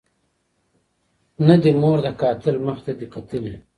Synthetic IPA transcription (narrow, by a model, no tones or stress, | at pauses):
nad̪imoːɾd̪ɐkaːt̪ɪlməxt̪ad̪iqat̪əli